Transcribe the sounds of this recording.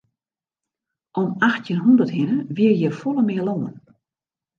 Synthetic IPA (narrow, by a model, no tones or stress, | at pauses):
ʔɔmaxtjinɦundərthɪnəʋiərjəfɔlˠəmɪəloːən